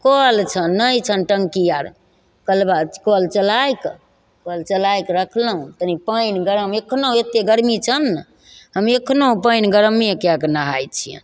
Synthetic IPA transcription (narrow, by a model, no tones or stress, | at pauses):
kɔlt͡ʃʰənːəjt͡ʃʰənʈəŋkijaɾ | kəlbakolt͡ʃəlajk | kolt͡ʃəlajkɾəkʰləɦũt̪ənipəjnɡəɾəmekʰnoet̪eɡəɾmit͡ʃʰən | ɦəmekʰnopəjnɡəɾmiekaknəɦajt͡ʃʰijə̰n